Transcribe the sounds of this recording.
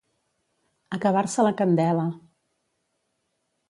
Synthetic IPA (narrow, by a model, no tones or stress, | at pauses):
əkəβ̞aɾsələkənd̪ɛlə